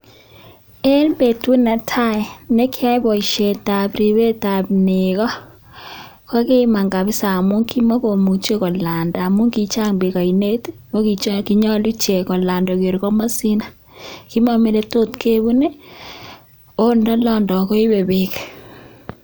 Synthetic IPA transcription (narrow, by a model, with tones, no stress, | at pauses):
e˦nbe˨tu˦na˨tʰa˦˨ne˦ki˦a˦bɔ˨i˨ʃe˨ta˨bɾi˨βe˦ta˨pneɣɔ˦ | ka˦kɪ˦ma˨ŋɡa˨βɪ˦sa˨mʊ˦ŋki˦mɔ˦ko˨mu˨t͡ʃe˦kɔ˨la˨nda˨a˨mʊ˦ŋki˦t͡ʃa˦ŋbe˨ka˨i˨ne˦tmo˦ki˨t͡ʃki˦ɲɔ˦lu˦t͡ʃe˨kɔ˨la˨ndɔ˨ke˨ɾkɔ˦ma˦si˦na˨ | ki˦ma˦me˦le˦to˦tke˦βu˦ne˦ | o˦ndɔ˦lɔ˦ndɔ˨ko˦i˦be˨be˦k